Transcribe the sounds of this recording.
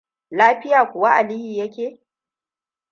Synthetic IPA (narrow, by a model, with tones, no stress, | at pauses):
laː˦ɸɪ˦jaː˨kʷʊ˨wa˦ʔa˨li˦hiː˨jɐ˦kʲeː˨